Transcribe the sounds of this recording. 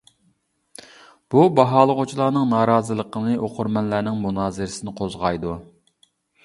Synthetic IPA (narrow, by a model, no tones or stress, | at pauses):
b̥ubɑɦɑːlˠəʁʊt͡ʃʰilˠɑːnɨŋnɑːɾɑːzɨlˠəqənɨʔoqʰʊɾmɛnlæɾnɪŋmunɑːzɨɾɪsɪnɨqʰozʁɑjd̪u